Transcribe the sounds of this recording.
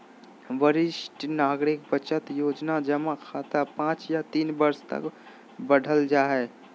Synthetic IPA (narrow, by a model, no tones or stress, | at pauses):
ʋəɾɪʃʈnaːɡɾɪk̚bət͡ʃət̪joːd͡ʒnad͡ʒəmakʰaːt̪apãːt͡ʃjat̪iːnbəɾst̪ə̰k | bəɽ̤ʱəld͡ʒaːɦɛː